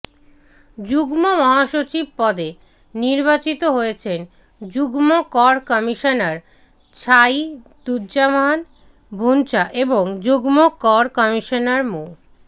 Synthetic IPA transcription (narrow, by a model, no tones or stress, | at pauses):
d͡ʑuɡmomɔɦaʃot͡ɕib̚pɔd̪e | niɾbat͡ɕit̪oɦojet͡ɕʰen | d͡ʑuɡmokɔɾkɔmiʃonaɾ | t͡ɕʰajd̪uɾd͡ʑaman | bʱunt͡ɕaʔeboŋd͡ʑuɡmokɔɾkɔmiʃonaɾmu